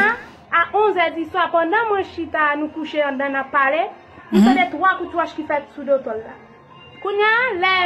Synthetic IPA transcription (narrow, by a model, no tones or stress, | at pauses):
aʔõzɛd̪isɔ̃apɔ̃nd̪ɐ̃mɐ̃ʃkit̪anukuʃeɐ̃nd̪ɐ̃napalɛ | ĩsɐ̃d̪ɛt̪uwakut̪uaʃkifɛt̪sud̪ot̪ɔlːa̰ | kuɲalɛ